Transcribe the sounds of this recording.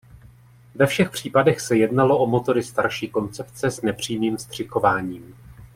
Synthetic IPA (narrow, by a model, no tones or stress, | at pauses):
vɛfʃɛxpr̝̥iːpadɛxsɛjɛdnalo̞ʔo̞mo̞t̪o̞ɾɪst̪aɾʃiːko̞nt͡sɛpt͡sɛsnɛpr̝̥iːmiːmst̪r̝̥ɪko̞vaːɲiːm